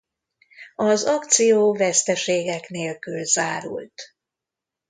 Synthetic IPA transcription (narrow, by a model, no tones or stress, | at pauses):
ɒzɒkt̪sijoːvɛst̪ɛʃeːɡɛkneːlkylzaːɾṵlt̪